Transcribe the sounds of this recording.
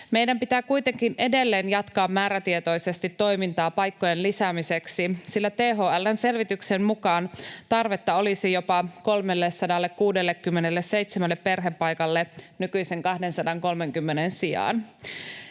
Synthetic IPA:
mejdæmpit̪æːkujt̪e̞ŋkine̞de̞lːeːnjɑt̪kɑːmːæːɾæt̪iet̪o̞jse̞st̪it̪ːo̞jmint̪ɑːpɑjkːojenlisæmiseksisilːæt̪eːɦoːælːænse̞lʋit̪yksemmukɑːnt̪ɑrʋet̪ːɑo̞lisijo̞pɑko̞lmelːesɑdɑlːekkuːde̞lːekːymːenelːeseit̪semælːeppe̞rɦepːɑjkɑlːenykyjseŋkɑhde̞nsɑdɑŋko̞lmeŋkymːenensiɑ̰ːn

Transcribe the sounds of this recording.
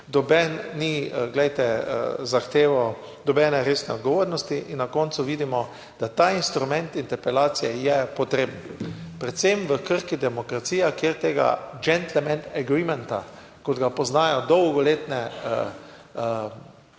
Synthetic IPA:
d̪ɔbɛnniɡlɛjt̪ɛzaxt̪eːʋɔ | d̪ɔbɛːnɛɾesnɛɔd̪ɡɔʋoːɾnɔst̪iʔinːakɔnt̪sʊʋiːd̪imɔ | d̪̥at̪aːinst̪ɾumɛ̃nt̪int̪ɛɾpɛlaːt̪sijɛjɛpɔt̪ɾeːbnpɾɛt̪sɛmʋəkəɾkid̪ɛmɔkɾat̪siːjakjeɾt̪eːɡa̰d͡ʒɛnt̪lɛmɛ̃nt̪ɛɡɾimɛnt̪a̰ | kɔd̪ɡapɔznaːjɔd̪ɔwɡɔleːt̪nɛə

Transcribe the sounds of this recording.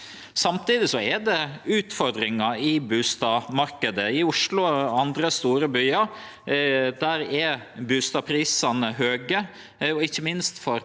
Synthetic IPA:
sɑmt̪iːd̪ɪsɔɛd̪ɛʉːt̪fɔɾd̪ɾɪŋɑɪbʉːst̪ɑːʋmɑɾkəd̪əɪʊʂlʊɑnd̪ɾəst̪uːɾəbyːɑ | d̪æɾɛbʉːst̪ɑːpʰɾiːsɑnəɦøːɡə | ɔɪçːəmɪnst̪fɔɾ

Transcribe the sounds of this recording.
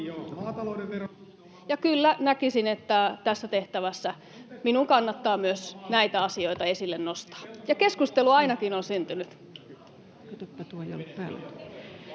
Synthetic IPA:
jomɑːt̪ɑloudeʋero | jɑkylːænækisinet̪ːæt̪æsːæt̪eht̪æʋæsːæ | minuŋkɑnːɑt̪ːɑːmyøsnæit̪æɑsioit̪ɑesilːennost̪ɑ̥ːjɑkeskust̪eluɑinɑkinonsynt̪ynyt̪ | kyt̪ypːæt̪uːejo̰lːuppæ̰ːlo̰̥

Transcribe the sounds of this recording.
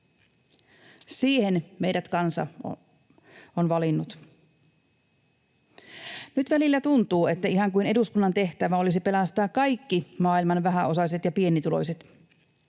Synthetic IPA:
siːhenme̞jɾæt̪kɑnsɑ̰ | onʋɑlinːut̪ | nyt̪ʋælilːæt̪unt̪uːe̞t̪ːæiɦɑŋkuine̞duskunːɑnt̪e̞ht̪æʋæo̞lis̬ipe̞lɑst̪ɑːkkɑjkːimɑːilmɑnʋæɦæo̞sɑset̪jɑpie̞nːit̪ulo̞̰jset̪

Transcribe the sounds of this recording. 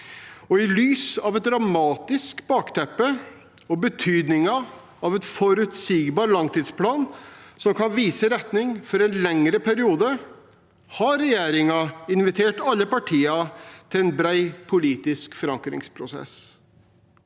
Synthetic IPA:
ɔɪlyːsɑʋɛt̪̚d̪ɾɑmɑːt̪ɪskbɑːkt̪ʰɛpːə | ɔbət̪ʰyːd̪nɪŋɑ | ɑʋɛt̪fɔɾʉt̪siːɡbɑːɾlɑŋt̪iːd̪spʰlɑːnsɔmkʰɑnʋiːsəɾɛt̪nɪŋfɔɾɛnlɛŋɾəpʰæɾɪuːd̪ə | hɑɾɛjeːɾɪŋɑɪnʋɪt̪ʰeːʈɑlːəpɑʈʰiːɑt̪ʰɪlɛnbɾæɪpʰʊliːt̪ɪskfɔɾɑŋkɾɪ̰ŋspʰɾʊsɛ̰s

